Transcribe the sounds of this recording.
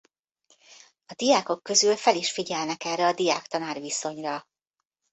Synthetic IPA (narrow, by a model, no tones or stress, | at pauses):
ɒd̪ijaːko̞kːø̞zylfɛliʃfiɟɛlnɛkɛrːɛɒd̪ijaːkt̪ɒnaːrʋiso̞ɲrɒ